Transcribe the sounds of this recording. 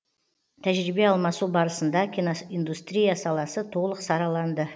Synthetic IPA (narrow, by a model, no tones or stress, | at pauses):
t̪ʰæʒɾibe̞ɑlˠmɑsubɑɾəsənd̪ɑkʲʰinoind̪ust̪ɾʲijasɑlˠɑsət̪ʰo̞lˠəqsɑɾɑlˠɑnd̪ə